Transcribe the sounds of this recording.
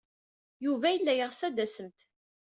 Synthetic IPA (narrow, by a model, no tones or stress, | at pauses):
juvæjəlːæjəʁsæd̪æsəmt̪